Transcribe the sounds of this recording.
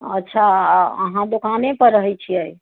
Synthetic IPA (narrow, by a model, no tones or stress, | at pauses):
ətːʃʰaə̰ɦãd̪okanepəɾəɦɛjt͡ʃʰiəj